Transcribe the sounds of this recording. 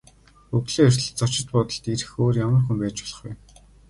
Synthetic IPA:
ɵɣɮeːɵr̥ʲt̪ɮə̆ɮt͡sɔt͡ɕɪ̆t̪̚pɔt̪ɞ̆ɬt̪iɾɘ̆xoːrjamə̆rxumpæːt͡ɕpɔɮə̆χɡṵj

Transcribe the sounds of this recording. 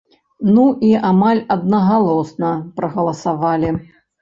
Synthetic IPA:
nuʔiamalʲɐd̪̚nɐɣalˠɔsnɐpɾɐɣɐlˠɐsavalʲi

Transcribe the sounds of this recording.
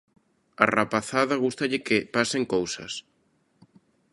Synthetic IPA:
a̰rapaθaðɐɣust̪ɐʎɪkɪpaseŋkowsɐ̰s

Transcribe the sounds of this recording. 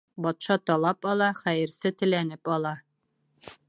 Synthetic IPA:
bɒt̪ʃɑt̪ɒlˠɑpɒlˠɑχæjɘ̆ɾsɘt̪ɘ̆lænɘpɒlˠɑ

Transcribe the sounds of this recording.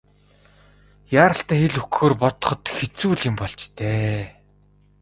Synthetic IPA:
jaːɾə̆ɬt̪æːxeɮukxoːrpɔt̪ɞ̥̆χɞ̆t̪xet͡suːɮɪ̆mpɔɮt͡ɕt̪ʰeː

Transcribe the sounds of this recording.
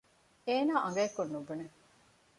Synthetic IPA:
eːnaːʔɐŋɡɐekːonːubune

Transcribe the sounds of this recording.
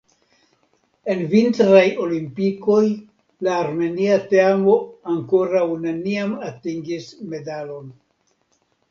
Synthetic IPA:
e̞nvintɾajo̞limpiko̞j | laːɾme̞niateamo̞aŋko̞ɾawne̞niamatiŋɡisme̞dalo̞n

